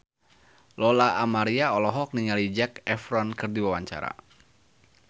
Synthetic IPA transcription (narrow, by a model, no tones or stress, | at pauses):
lɔlaːmaɾiaɔlɔɦɔk̚niŋalid͡ʒɛkɛfɾɔnkɨrdiwawaɲt͡ʃa̰ɾa̰